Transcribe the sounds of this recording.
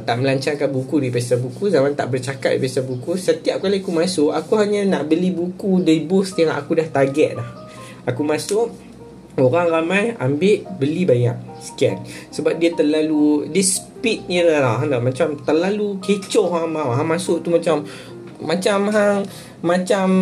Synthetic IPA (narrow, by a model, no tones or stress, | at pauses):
t̪aʔməlaɲt͡ʃarkanbukudipasabukuzamant̪a̰ʔbərt͡ʃakat̪̚dḭpiasabukusət̪iap̚kaliakumasʊʔakuɦaɲanaʔbəlibukudiibʊst̪iŋaʔakudaht̪aɡɛʔ̪̚lah | akumasʊʔ̚ | oɾaŋramãjambɪʔbəlibaɲaʔ | sə̥ka̰nsəbap̚diət̪ərlaludisəpit̪̚ɲəlahlaɦadaʔmat͡ʃamt̪ərlaluket͡ʃɔʔhɦabaɦamasʊʔt̪umat͡ʃamː | at͡ʃamɦaŋː | at͡ʃam